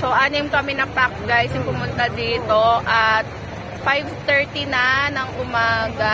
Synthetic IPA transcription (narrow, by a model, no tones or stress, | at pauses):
soʔaːnɪmkɐmɛnɐpak̚ɡajsʊŋpʊmʊnt̪ad̪iːt̪o̞ʔɐt̪̚ | fajvt̪ɛɹt̪inɐnɐŋʔʊmaːɡɐ